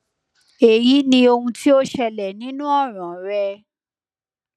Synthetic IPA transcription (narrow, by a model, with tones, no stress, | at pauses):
e˨ji˨˦nĩ˧o˧hũ˧tʰi˦o˦ʃɛ˧lɛ˨nĩ˨˦nũ˦ɔ˦˨ɾ̃ã˨ɾɛ˧